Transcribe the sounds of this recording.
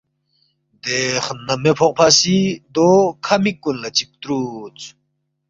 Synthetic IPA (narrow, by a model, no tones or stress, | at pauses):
d̪eχnːamepʰɔq̚pʰasid̪okʰamikːunlat͡ɕik̚t̪ɾut͡s